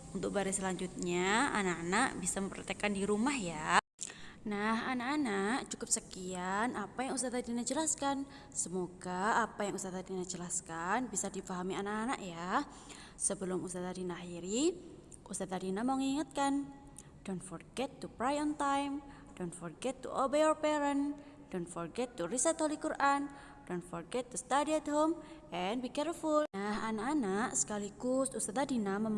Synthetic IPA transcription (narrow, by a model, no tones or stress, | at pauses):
unt̪ʊk̚baɾasəlaɲd͡ʒut̪̚ɲaa̰naʔanaʔbisaməmpərt̪ekandiɾumahja | naɦanakanaʔt͡ʃukʊp̚səkianapajaŋust̪at̪adinad͡ʒəlaskan | səmoɡaːpajaŋust̪at̪adinad͡ʒəlaskanbisadifaɦamianaʔana̰ʔja | səbəlʊmust̪at̪adinaɦiɾi | ʔust̪at̪adinaməŋiŋət̪̚kan | donfɔrɡɛt̪ːupɾajɔnt̪ajm | dɔnfɔrɡɛt̪ːṵʔɔbeɔrpɛɾən | dɔnfɔrɡɛt̪ːuɾisət̪olikuɾʔan | dɔnfɔrɡɛt̪ːust̪adiɛt̪ɦomʔɛnbikɛrfulnahanakanaʔsə̥kaliɡʊsust̪at̪adinaməm